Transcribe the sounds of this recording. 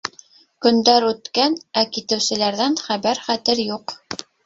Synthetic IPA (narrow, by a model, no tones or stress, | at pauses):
kɵ̆nd̪æɾʉt̪kænækit̪ɘ̆wsɘ̆læɾðænχæβæɾχæt̪ɘɾjuq